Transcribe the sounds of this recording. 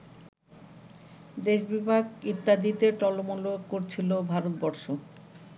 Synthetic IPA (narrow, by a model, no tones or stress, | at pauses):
d̪eʃbibʱaɡit̪ːad̪it̪eʈɔlomolokoɾt͡ɕʰilobʱaɾot̪̚bɔɾʃo